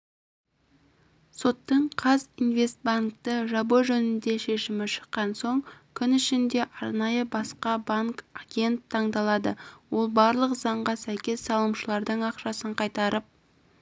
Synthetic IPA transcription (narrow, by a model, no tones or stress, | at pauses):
so̞t̪ːəɴqʰɑzinve̞st̪̚baŋk̚t̪əʒɑboʒɵnɪnd̪e̞ʃe̞ʃɪmɪʃə̥qːɑnso̞ɴkʲʰʏnɪʃɪnd̪e̞ʔɑɾnɑjəbɑsqɑbaŋkaɡʲe̞nt̪ʰːɑɴd̪ɑlˠɑd̪əwo̞lˠbɑɾlˠəqzɑɴʁɑsæjkʲe̞sːɑlˠəmʃəlˠɑɾd̪əɴɑqʃɑsəɴqʰɑjt̪ɑɾʔəp̚